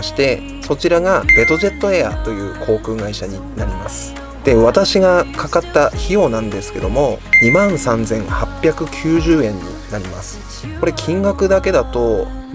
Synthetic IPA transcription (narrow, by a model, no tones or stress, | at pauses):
ɕi̥t̪e̞ | so̞t͡ɕiɾaɡad̪e̞t̪o̞ʑe̞t̪ːo̞e̞a̰t̪o̞jɯ̟ːkʰo̞ːkɯ̟ːɡaiɕaɲ̟i | naɾʲimasɨ̥ | d̪̥e̞βat̪aɕiɡakʰakat̪ːaçio̞nãnd̪e̞sɨ̥ke̞d̪o̞mo̞ɲimãñsãnd͡zẽ̞ɰ̃hapʲːjakɯ̟kʲʰɨːʑɨːẽ̞ɲ̟ːḭnaɾʲima̰sɨ̥ | ko̞ɾe̞kʲʰĩŋɡakɯ̟d̪ake̞d̪at̪o̞